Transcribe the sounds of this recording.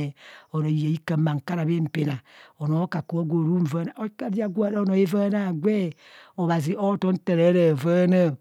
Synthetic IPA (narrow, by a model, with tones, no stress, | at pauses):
o˨ɾo˨ja˨i˦kə˨ma˨ŋ̩˨ka˦ɾa˨be˦m̩˨pe˨na˨o˨no˨˦ka˨ku˨˦o˦ɡʷo˨ɾu˦m̩˨və˦na˨˦ka˦da˦ɡʷu˦a˦ɾa˦o˦no˨e˦və˦na˦˨ɡʷe˦ | o˨βa˨zi˨o˦to˦n̩˦tə˨ɾe˦ɾə˨və˦na˦˨